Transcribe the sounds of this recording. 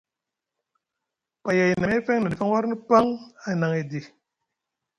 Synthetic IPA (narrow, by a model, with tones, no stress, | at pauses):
pa˨ja˨i˨na˨˦fɛ˦ŋna˨dfa˦ŋ˦wa˦ɾni˦pa˦ŋa˨na˨ŋe˨di˨